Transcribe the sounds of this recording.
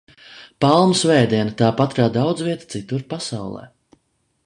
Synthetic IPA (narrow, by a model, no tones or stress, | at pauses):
palˠmusvɛːjd̪ʲiɛnat̪aːpat̪ɾaːd̪awd̪zviɛt̪ḁt̪sit̪uɾpasawlˠɛ̰ː